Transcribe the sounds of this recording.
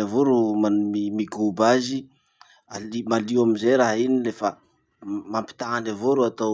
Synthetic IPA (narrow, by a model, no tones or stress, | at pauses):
avoɾumamimiɡubazi | alimaliwamizejɾaɦinilefa | mampi̥t̪aanavoɾuat̪a